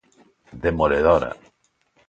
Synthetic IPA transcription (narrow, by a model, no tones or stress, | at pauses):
ðemoleðoɾa̰